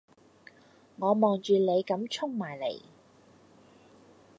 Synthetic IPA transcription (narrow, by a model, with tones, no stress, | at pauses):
ŋɔː˨˧mɔː˨ŋt͡ʃyː˨le˨˧jkɐ˨˧˥mt͡ʃʰʊ˥ŋmaː˨˩jlḛ˨˩j